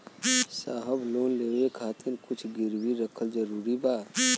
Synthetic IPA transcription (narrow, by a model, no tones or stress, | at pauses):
saːɦəbloːnleːʋekʰaːt̪ɪɾkʊt͡ʃʰɡɪɾwiɾəkʰəld͡ʒəɾuːɾibaː